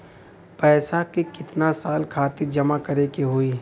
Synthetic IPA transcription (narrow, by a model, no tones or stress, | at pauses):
pɛːsakekɪt̪nasaːlkʰaːt̪ɪɾd͡ʒɐmakɐɾekeɦoiː